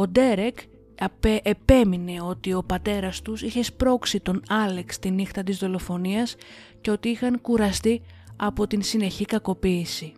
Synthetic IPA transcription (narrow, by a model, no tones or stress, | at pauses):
o̞d̪e̞ɾe̞k | epe̞mine̞o̞t̪io̞pɐt̪e̞ɾɐst̪usiçe̞spɾo̞ksit̪o̞nɐle̞kst̪inixt̪ɐt̪izðo̞lo̞fo̞niɐs | ce̞o̞t̪iixɐŋkuɾɐst̪i | ɐpo̞t̪insine̞çikɐko̞piːsi